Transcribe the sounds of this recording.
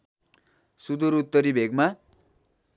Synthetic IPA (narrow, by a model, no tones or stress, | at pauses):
sud̪uɾut̪ːʌɾibʱeɡma